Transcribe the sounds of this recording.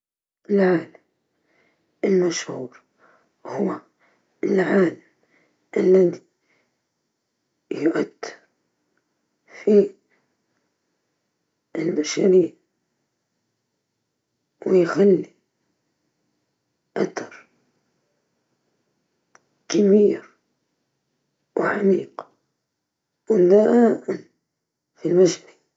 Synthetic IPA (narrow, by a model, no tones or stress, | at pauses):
ʔɪlʕaːlam | ʔɪlmaʃhuːɾ | hʊwa | ɪlʕaːlam | ʔɪlːaði | jʊʔad̪ːɪɾ | fi | ɪlmaʃaɾiːʕ | wɪjxalːi | ʔat̪ɑɾˤ | kamiːɾ | wɪʕamiːq | wɪnd̪aʔa | filmaʃni